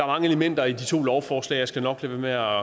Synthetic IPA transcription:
ɑ̈æɐmɑ̈ŋəeləmen̰d̥ɐid̥it͡sʰo̝̰ːlɒʊfɒːslɛ̰ɪjɑ̈ɪsɡ̥ænɒ̽ɡ̥lemeæ

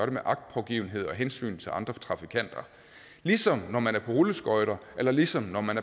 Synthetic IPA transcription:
ɐɾ̥e̝meʔɑ̈ɡ̥̚d̥̚pʰɒ̽ʊɡ̥ḭːʊn̩ɦe̝ð̞̰ˠɒ̽ɦensy̰ːnt͡sʰe̝ɑ̈nd̥ʁɐt͡sʰʁɑ̈fikʰæn̰d̥ɐ | lisɒ̽mnɒmænæɐpʰɒ̽ʁuləsɡ̥ɒɪɾ̥ɐʔelɐlisɒ̽mnɒmænæɐ

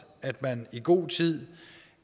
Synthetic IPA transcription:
æd̥mæniɡ̥o̝̰ːt͡sʰið̰ˠ

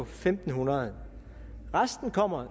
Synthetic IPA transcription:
femd̥n̩hunɐðˠ | ʁasd̥n̩kʰɒ̽m̰ɐ

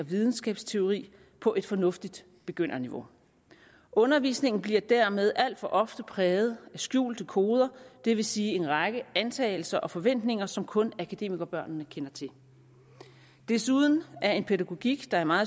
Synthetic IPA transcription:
ɒʋiðˠn̩sɡ̥ɛ̰ːb̥st͡sʰe̝o̝ʁḭː | pʰɒ̽ʔe̝d̥fɒ̽nɔ̽fd̥id̥ | b̥e̝ɡ̥øn̰ʔɐniʋo̝ | ʔɔ̽nɐʋḭːsne̝ŋ̰n̩b̥liɐd̥æɐ̰með̞ˠʔæl̰d̥fɒ̽ʔɒ̽fd̥əpʰʁɛːʊð̩ˠæsɡ̥jṵːld̥əkʰo̝ːð̞ˠɐd̥e̝ʋe̝siːe̝nʁɑɡ̥əænt͡sʰɛ̰ːɪl̩sɐʔɒ̽fɒ̽ʋen̰d̥ne̝ŋɐsɒ̽mkʰɔ̽nækʰæd̥e̝̰ːmiɡ̥ɐb̥ɶɐ̰nnəkʰenɐt͡sʰe̝l | d̥e̝suðˠn̩æɐe̝npʰe̝ðæɡ̥o̝ɡ̥iɡ̥d̥ɑ̈æɐmɑ̈ːð̩ˠ

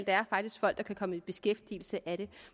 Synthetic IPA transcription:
l̰d̥ææɐfɑ̈ɡ̥̚d̥isɡ̥fɒ̽l̰d̥ɑkʰækʰɒ̽məib̥e̝sɡ̥efd̥ḭːl̩səʔæɾ̥e̝

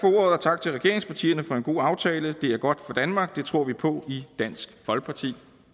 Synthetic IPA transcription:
fɒoɐðˠɐt͡sʰɑ̈ɡ̥̚t͡sʰe̝lʁɛɡ̥e̝ɐ̰eŋspʰɑ̈t͡sʰḭːɐnəfɒ̽e̝nɡ̥o̝̰ːɑ̈ʊt͡sʰɛːləd̥e̝æɐɡ̥ɒ̽d̥fɒ̽d̥ænmɑ̈ːɡ̥̚d̥e̝t͡sʰʁo̝ɐ̰ʋipʰɒ̽id̥æn̰sɡ̥fɒ̽lɡ̥̚pʰɑ̈t͡sʰḭː

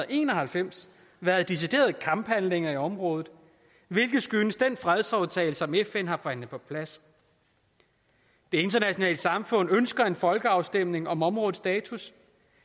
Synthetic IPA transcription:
e̝̰ːnɒ̽hælfem̰s | ʋæɐð̞̩ˠd̥is̬id̥e̝̰ːɐð̩ˠkʰɑ̈mb̥hænle̝ŋɐiɒ̽mʁɔ̽ːðð̩ˠ | ʋe̝lɡ̥ð̩ˠsɡ̥ynəsd̥enfʁɛð̞ˠsɒʊt͡sʰɛ̰ːɪləsɒ̽mefenɦɑ̈fɒæn̰ð̩ˠpʰɒ̽pʰlæs | d̥e̝e̝nd̥ɐnæɕjo̝nɛ̰ːləsɑ̈mfɔ̽n̰ønsɡ̥ɐe̝nfɒ̽lɡ̥əɑ̈ʊsd̥em̰ne̝ŋɒ̽mɒ̽mʁɔ̽ːð̩ˠsd̥ɛːt͡sʰus

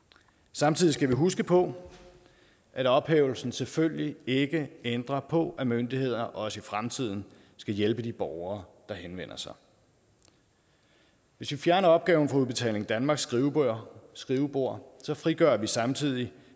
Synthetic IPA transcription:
sɑ̈mt͡sʰiðˠisɡ̥æʋiɦusɡ̥əpʰɒ̽ | ʔæɾɒ̽b̥hḛːʊl̩sn̩selføljie̝ɡ̥əend̥ʁɐpʰɒ̽ʔæmønd̥ihe̝ð̞̰ˠɐʔɒɒ̽səifʁamt͡sʰið̰ˠn̩ | sɡ̥æjelb̥əd̥ib̥ɒʊɐːd̥ɑ̈henʋen̰ɐsɑ̈ɪ | ʋe̝sʋifjæɐnɐɒ̽b̥̚ɡ̥ɛːʊn̩fɑuðˠb̥e̝t͡sʰɛ̰ːle̝ŋd̥ænmɑ̈ːɡ̥sɡ̥iʊsɡ̥ʁiʊəb̥o̝ɐ̰sɒ̽fʁiɡ̥ɶɐʋisɑ̈mt͡sʰið̞̰ˠi

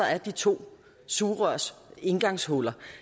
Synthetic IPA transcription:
ɐæɐd̥it͡sʰo̝̰ː | suːʁœɐ̰se̝nɡ̥ɑ̈ŋshɔlɐ

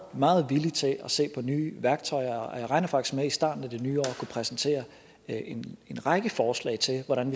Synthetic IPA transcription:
mɑ̈ːð̞̩ˠʋilit͡sʰe̝ʔɒse̝̰ːpʰɒ̽nyːʋæɐɡ̥t͡sʰɒ̽ɪɐɒjäɪʁɑ̈ɪnɐfɑ̈ɡ̥iɡ̥meisd̥ɑ̰̈ːd̥n̩æd̥enyːɒ̰ːɒkʰupʰʁɛsn̩t͡sʰe̝̰ːɐ | ene̝nʁɑ̈ɡ̥əfɒːslɛ̰ɪt͡sʰe̝lʋɒɾ̥ænʋi

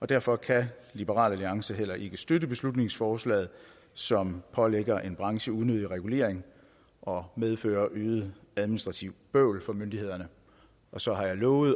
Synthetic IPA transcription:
ɒ̽d̥æɐfɒ̽kʰælib̥əʁɑ̰̈ːlæliɑ̈ŋsəɦel̰ɐʔe̝ɡ̥əsd̥ødəb̥e̝slud̥ne̝ŋsfɒːslɛ̰ːð̞̩ˠ | sɒ̽mpʰɒ̽leɡ̥ɐʔe̝nb̥ʁɑ̈ŋɕəuðˠnøðˠiʁɛɡ̥ule̝̰ːɐ̰eŋ | ʔɒ̽með̞ˠfø̰ːɐʔyːðˠəæðˠminisd̥ʁɑ̈t͡sʰiʊ̰b̥øʊlfɒ̽mønd̥ihe̝ð̞̰ˠɐnə | ɒ̽sɒ̽ɦɑ̈jɑ̈ɪlɔ̽ːʊð̩ˠ

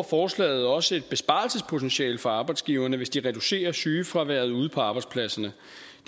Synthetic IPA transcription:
fɒːslɛ̰ːɪð̞̩ˠɒ̽səe̝d̥̚b̥e̝sb̥ɑ̈lsəspʰo̝t͡sʰenɕɛ̰ːlfɒ̽ɑ̈ːb̥ɑ̈ɪd̥sɡ̥iːʊɐnəʋe̝sd̥iʁɛd̥use̝̰ːɐsyːfʁɑ̈ʋæɐ̰ð̩ˠuð̞̩̰ˠpʰɒ̽ɑ̈ːb̥ɑ̈ɪdspʰlæsɐnə̥

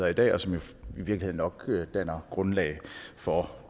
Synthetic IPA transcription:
ðˠɐid̥ɛ̰ːɒ̽sɒ̽mjo̝iʋiɐɡlie̝ðˠnɒ̽ɡ̥d̥æn̰ɐɡ̥ʁɔ̽nlɛɪfɒ̽

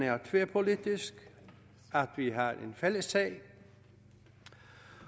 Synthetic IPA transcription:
æɐt͡sʰʋeːpʰo̝lid̥isɡ̥ | æd̥ʋiɦɑenfeləsːɛ̰ː

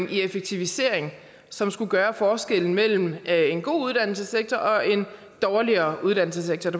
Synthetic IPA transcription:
ŋʔiefeɡ̥̚t͡sʰiʋise̝̰ɐ̰e̝ŋ | sɒ̽msɡ̥uɡ̥ɶːɐfɒːsɡ̥el̰n̩mel̰m̩e̝nɡ̥o̝̰ːuð̞ˠd̥æn̰l̩səseɡ̥̚t͡sʰɒʔɒ̽e̝n | d̥ɒːliɐːʔuð̞ˠd̥æn̰l̩s̬əseɡ̥̚t͡sʰɒ̥

